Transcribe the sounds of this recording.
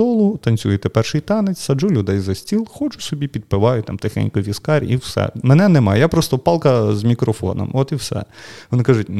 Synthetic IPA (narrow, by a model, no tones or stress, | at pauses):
ɔlˠʊt̪ɐnʲt͡sʲujɛt̪ɛpɛrʃɪjt̪ɑnet͡sʲsɐd͡ʒulʲʊd̪ɛjzɐsʲtʲilˠxɔt͡ʃʊsɔbʲipʲid̪̚pɪʋɑjʊt̪ɑ̰mt̪exɛ̰nʲkʊʋʲiskɑɾʲiwsɛ̰menɛnɛmɑ̰jjapɾɔst̪ɔpɑlˠkɐzmʲikɾɔfɔ̰nɔ̰mɔt̪iwsɛ̰ʋɔnɪkɑʒʊtʲ